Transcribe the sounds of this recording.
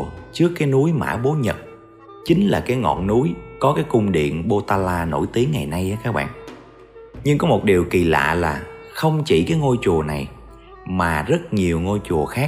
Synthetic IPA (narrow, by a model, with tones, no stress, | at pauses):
t͡ɕɨ˦˥əkːaː˨˦jnu˨˦jma̰ː˧˥ɓo˨˦ɲə˨˩t̚ | t͡ɕï˨˦ŋ̟laː˨˩kaː˨˦jŋɔ̰˧˨nnu˨˦jkɔ˨˦kaː˨˦jkʊ˧ŋ͡mɗḭ˧˨ənɓo˧t̪aː˧laː˧no̰˧˩jt̪i˨˦əŋːa˨˩jna˧jʔaː˨˦kaː˦˥k̚ɓa̰ː˧˨n | ɲɨ˧ŋkɔ˨˦mo˨˩t̚ɗi˨˩əwki˨˩la̰ː˧˨laː˨˩ | xə˧wŋ͡mt͡ɕḭ˧˩kaː˨˦jŋo˧jt͡ɕu˨˩əna˨˩j | maː˨˩zə˦˥t̚ɲi˨˩əwŋo˧jt͡ɕu˨˩əxaː˦˥